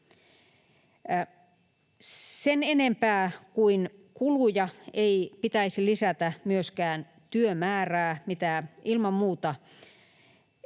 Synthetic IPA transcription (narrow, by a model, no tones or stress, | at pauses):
senenempæːkuinkulujɑeipit̪æisilisæt̪æmyøskæːn | t̪yømæːræːmit̪æʔilmɑmmuːt̪ɑ